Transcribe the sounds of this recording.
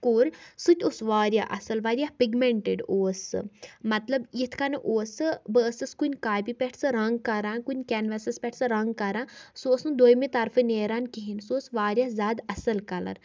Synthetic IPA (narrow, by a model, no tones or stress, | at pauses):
kuɾʲsut̪ʲusʋaːɾʲja̰ʔɐ̰sɐlʋaːɾjapiɡmeɳʈeɖoːsɨ̰mɐt̪lɐbjit̪ʰkaneʔoːsɨbəːsɨskunʲkaːjpipʲeʈʰsɨɾɐŋɡ̚kɐɾãːnkunʲkɛnʋesɐspʲɛʈʰsɨɾɐŋɡ̚kɐɾãːsoːsnud̪oːjmit̪ɐɾfʰɨneːɾankiɦinsoːsʋaːɾʲjazʲaːd̪ɐsɐlkɐlɐ̰ɾ